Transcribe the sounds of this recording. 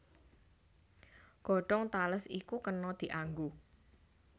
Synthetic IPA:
ɡ̥ɔ̤ɖ̥ɔŋt̪aləsikukənɔd̪̥i̤ʔaŋɡu

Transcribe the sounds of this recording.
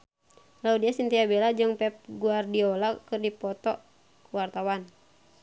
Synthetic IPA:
laudiasint̪iabɛlad͡ʒɨŋpɛp̚ɡuardiɔlakɨrdipɔt̪ɔ | kuwart̪awan

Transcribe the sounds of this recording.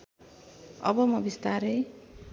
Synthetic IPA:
ʌ̰bʌmʌbist̪aɾe

